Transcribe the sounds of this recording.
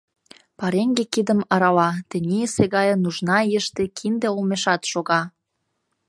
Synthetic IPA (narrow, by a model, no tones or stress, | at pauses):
pɑɾeŋɡekid̪əmɑɾɑlɑt̪ə̆nʲiəseɣɑjənuʒnɑiəʃt̪ekʰind̪eolmeʃɑt̪ʃoɣɑ